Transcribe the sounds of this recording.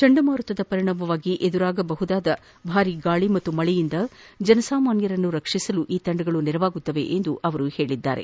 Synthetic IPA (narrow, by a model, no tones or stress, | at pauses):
t͡ʃɐɳɖɐmaːɾɐt̪ʋɐd̪ɐpɐɾiɳɐmbɐʋaːɡiʔed̪uɾaːɡɐbɐɦud̪aːd̪ɐ | bʱaːɾiɡaːɭimɐt̪ːumɐɭɛjind̪ɐ | d͡ʒɐnɐsaːmaːnjɐɾɐnːuɾɐkʂisɐluʔiːt̪ɐɳɖɐɡɐɭuniɾɐʋaːɡut̪ːɐʋe̞̰ʔend̪uʔɐʋɐɾuhe̞ːɭid̪ːa̰ːɾe̞̰